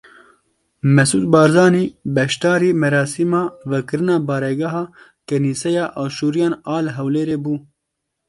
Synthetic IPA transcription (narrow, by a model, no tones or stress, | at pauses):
mɛsuːd̪̚bɑːɾzɑːniːbɛʃt̪ɑːɾiːmɛɾɑːsimɑːvɛkɨɾɨnɑːbɑːɾɛɡɛɦɑː | kɛniːsɛjɑːʔɑːʃuːɾijɑːnɑːlɦɛwleːɾeːbuː